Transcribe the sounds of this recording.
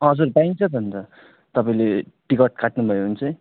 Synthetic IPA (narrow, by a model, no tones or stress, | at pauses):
ɦʌd͡zurbãjŋt͡sʰʌd̪ʱʌnt̪ʌ | t̪ʌpaĩleʈikʌʈ̚kaʈnubʱʌjoɦunt͡sʰʌj